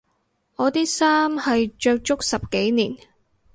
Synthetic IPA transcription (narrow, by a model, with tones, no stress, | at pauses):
ŋɔː˨˧t̪iː˥saː˥mhɐ˨jt͡ʃœː˧k̚t͡ʃʊ˥k̚sɐ˨p̚ke˨˥jniː˨˩n